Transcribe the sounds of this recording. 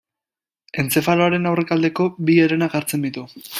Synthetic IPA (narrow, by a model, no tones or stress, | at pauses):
e̞nt͡se̞faloaɾe̞nawre̞kald̪e̞ko̞bieɾenaɡaɾt͡se̞nd̪it̪u